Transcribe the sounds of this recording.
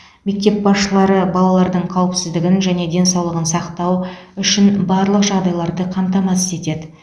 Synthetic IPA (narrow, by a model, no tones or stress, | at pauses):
me̞k̚t̪e̞p̚bɑsʃəlˠɑɾəbɑlˠɑlˠɑɾd̪əɴqʰɑwəpsɪzd̪ɪɡʲɪnʒæne̞d̪e̞nsɑwlˠəʁənsɑqt̪ɑwʏʃɪnbɑɾlˠəqʒɑʁd̪ɑjlˠɑɾd̪əqʰɑmt̪ɑmɑsɪst̪e̞t̪e̞d̪ɪ